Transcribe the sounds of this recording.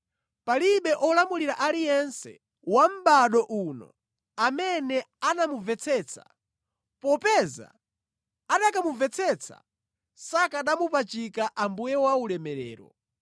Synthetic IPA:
paliɓɛʔɔlamuliɾaʔalijɛnsɛ̰ | wam̩ɓaɗɔʔunɔ̰ | amɛnɛ | anamuvɛt͡sʰɛt͡sʰḁ̰ | pɔpɛza̰ | aɗakamuvɛt͡sʰɛt͡sʰa̰ | sakaɗamupat͡ʃikaʔambujɛwaulɛmɛɾɛ̰ːɾɔ̰

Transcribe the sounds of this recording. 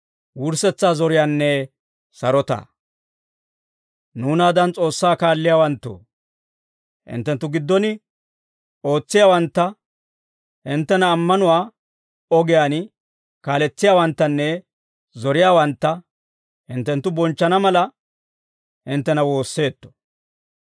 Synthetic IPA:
wʊɾsɛt͡sːaːzɔɾɪjaːnːɛ | sɐɾɔt̪ɐ̰ | nuːnaːd̪ɐnt͡sʼo̞ːsːaːkaːlːɪjaːwɐnt̪ːo̰ | hɪ̰nt̪ːɛnt̪ːʊɡɪd̪ːɔnɪ | o̞ːt͡sːɪjaːwɐnt̪ːɐ | hɪnt̪ːɛnɐːmːɐnʊwaː | ɔɡɪjaːn | kaːlɛt͡sːɪjaːwɐnt̪ːɐnːɛ | zɔɾɪjaːwɐnt̪ːɐ | hɪnt̪ːɛnt̪ːʊbɔnt͡ʃːɐnɐmɐlɐ | hɪnt̪ːɛnɐwo̞ːsːe̞ːt̪ːɔ̥

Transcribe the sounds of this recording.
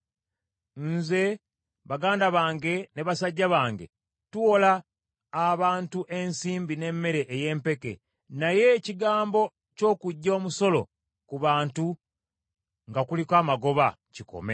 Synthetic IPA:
nze̞ | βaɡaːndaβaːŋɡe̞neβasaɟːaβaːŋɡe̞̰ | tuolaː | βaːntuʔe̞nsiːmbine̞mːe̞ɾe̞ʔːje̞ːmpe̞ke̞̰ | naje̞ciɡaːmbo̞ | co̞ːkuɟːo̞ːmuso̞lo̞̰ | kuβaːntu | ŋɡakulikwaːmaɡo̞βa | ciko̞̰me̞̰

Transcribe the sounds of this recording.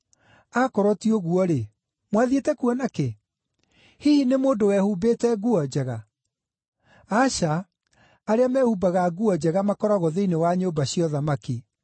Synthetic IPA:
akɔɾɔtioɣuɔɾe | mwaðietɛkuɔnake | hihinemoːndowɛhubeːtɛɣuɔd͡ʑɛɣa | aɕaː | ɾeamɛhubaɣaɣuɔd͡ʑɛɣamakɔɾaɣoðeinewaɲobaɕijɔðamaki

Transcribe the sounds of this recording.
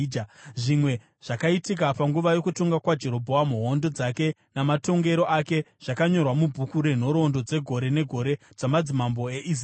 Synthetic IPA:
ʐimwe̞ | ʐ̥akaitik̬apaŋɡuʋajo̞kuto̞ŋɡakwad͡ʒe̞ɾo̞bʱo̞amuɦondo̞d͡zake̞ | namato̞ŋɡe̞ɾo̞ʔake̞ʐ̥akaɲo̞rwamubʱukuɾe̞n̤o̞ɾo̞ndo̞d͡ze̞ɡʱo̞ɾe̞ne̞ɡʱo̞ɾe̞ | d͡zamad͡zimambo̞eʔis

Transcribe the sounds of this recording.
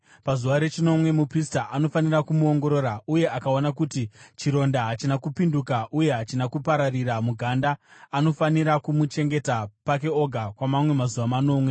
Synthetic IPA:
pazuʋaɾe̞t͡ʃino̞mwe̞mupris̬taʔano̞fanirakumuo̞ŋɡo̞ɾo̞ɾauje̞ʔakaonak̬utit͡ʃiɾo̞ndaɦat͡ʃinakupindukaʔuje̞ɦat͡ʃinakupaɾariɾamuɡʱandaːno̞faniɾakumut͡ʃe̞ŋɡe̞tapak̬e̞o̞ɡʱakwamamwe̞mazuʋamano̞mwe̞

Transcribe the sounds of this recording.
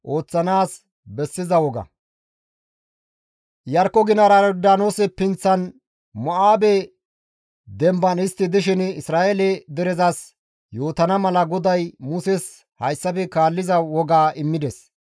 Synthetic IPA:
ʔo̞ːt͡sːɐnaːs | bɛsːɪzɐwɔɡɐ̰ | jɐɾkːɔɡɪnɐɾad̪aːnoːsɛpɪnt͡sːɐn | mɔʔaːbɛ | d̪ɛmbɐnɪst̪ːɪd̪ɪʃ̬ɪnɪsɾaːʔelɛd̪ɛɾɛzɐs | joːt̪ɐnɐmɐlɐɡɔd̪ɐjmʊsɛs | hɐjsːɐpɛkaːlːɪzɐwɔɡaːʔɪmːɪd̪ɛs

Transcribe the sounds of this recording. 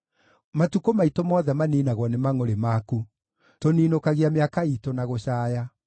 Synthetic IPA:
matukomaitomɔðɛmaniːnaɣwɔnemaŋoɾemaku | toniːnokaɣiameakaitonaɣoɕaːja

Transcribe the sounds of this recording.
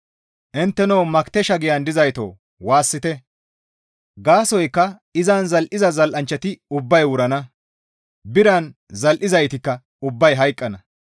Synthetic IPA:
ʔɪnt̪ːɛnoːmɐkt̪ɛʃɐɡɪjɐnd̪ɪzɐjt̪o̰ː | waːsːɪt̪ɛ | ɡaːsɔjkːɐ | ɪzɐnzɐlʔɪzɐzɐlʔɐnt͡ʃːɐt̪ɪʊbːɐjwʊɾɐnɐ | bɪɾɐnzɐlʔɪzɐjt̪ɪkːɐ | ʊbːɐjɦɐjkʼːɐnɐ

